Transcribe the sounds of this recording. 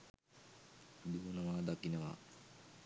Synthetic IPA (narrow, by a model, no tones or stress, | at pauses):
d̪uːnəʋaːd̪akinəʋa̰ː